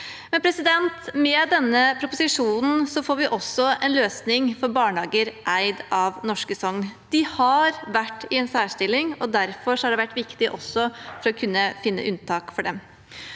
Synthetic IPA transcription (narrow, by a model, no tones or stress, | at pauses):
mɛnpʰɾɛsɪd̪ɛnt̪mɛd̪ɛnːəpʰɾʊpʊsɪʂuːnn̩sɔfoːɾʋɪʔɔsːɔɛnløːsnɪŋfɔɾbɑːɳɑːɡəɾʔæɪd̪ɑʋnɔʂkəsɔŋːd̪̥ɪhɑɾʋæʈːɪɛnsæːʂʈɪlːɪŋɔd̪æɾfɔʂɔhɑɖɛʋæʈːʋɪkt̪ɪʔɔsːɔfɔɾɔkʰʉnːəfɪnːə̰ʔʉnt̪ʰɑːkfɔɖɛm